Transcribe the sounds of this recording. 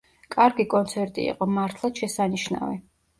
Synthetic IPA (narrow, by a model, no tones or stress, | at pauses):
kʼaɾɡikʼɔnt̪sʰɛɾt̪ʼḭːqʼɔmaɾt̪ʰlˠaʃɛsaniʃna̰vḭ